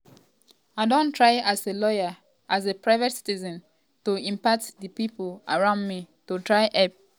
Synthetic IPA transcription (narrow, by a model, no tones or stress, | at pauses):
aɪdõntʰɹaɪaselɔjə | ʔazepɹaɪvɔtsi̥tizɔ̃n | toĩmpatdəpipolaɹãʊ̃ndmi | totɹaɪʔɛp̚